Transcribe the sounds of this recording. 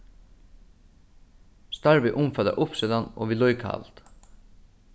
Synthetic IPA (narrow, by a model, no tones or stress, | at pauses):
st̪ɑɹʋɪʔʊmfɑd̪ɑ̰ʔʊpsiːd̪ɑnʔo̰ːʋiːlɔiːkʰɑ̰lt̪